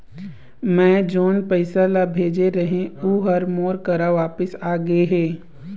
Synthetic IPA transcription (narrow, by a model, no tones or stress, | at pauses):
mɛ̃ːd͡ʒoːnpəɪsalabʱeːd͡ʒeɾɐɦẽoɦɐɾmoːɾkɐɾaʋaːpəsaːɡeɦɛː